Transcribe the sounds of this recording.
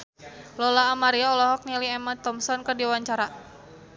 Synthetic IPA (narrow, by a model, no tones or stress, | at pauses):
lɔlaːmaɾiaɔlɔɦɔk̚niliɛmat̪ɔmsɔnkərdiwaɲt͡ʃaɾa